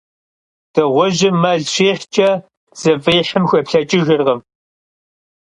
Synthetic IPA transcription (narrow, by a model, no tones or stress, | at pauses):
d̥ɨʁʷɔʒɪmɐɮɕeːħt͡ʃʼɐ | z̥ɐveːħəmxʷɐpɬɐt͡ʃʼɪʒɪrʁɐm